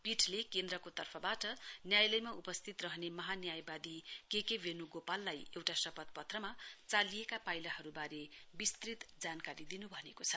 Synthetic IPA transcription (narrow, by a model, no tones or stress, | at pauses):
piʈʰlekend̪rʌkot̪ʌrpʰʌbaʈʌnjajlʌjmaupʌst̪ʰit̪rʌɦʌnemʌɦanjajbad̪ikekebʱenuɡopalːajewʈasʌpʌt̪̚pʌt̪rʌmat͡salijekapajlaɦʌɾubaɾebist̪rit̪d͡zankaɾid̪inubʱʌnekot͡sʰʌ̥